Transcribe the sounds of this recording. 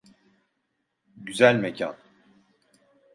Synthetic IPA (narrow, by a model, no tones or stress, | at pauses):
ɟyzælʲmecʰa̰n